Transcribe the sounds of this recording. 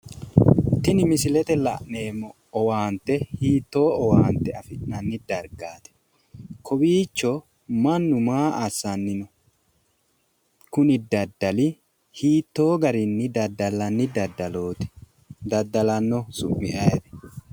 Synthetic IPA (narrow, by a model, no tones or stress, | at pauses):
t̪ːɪnɪmɪsɪlɛt̪ɛlɐ̰ʔne̞ːmːɔːwaːnt̪ːɛhiːt̪ːo̞ːɔwaːnt̪ɛɐfɪʔnɐnːɪd̪ɐɾɡaːt̪ɛ̥ | kʰɔbiːt͡ʃːɔ | mɐnːʊmaːʔɐsːɐnːɪnɔ | kʊnɪd̪ɐd̪ːɐlɪ | hiːt̪ːo̞ːɡɐɾɪnːɪd̪ɐd̪ːɐlɐnːɪd̪ɐd̪ɐloːt̪ɛ̥ | d̪ɐd̪ːɐlɐnːɔsʊmːɪ̰ʔɐjɛd̪ɛ̥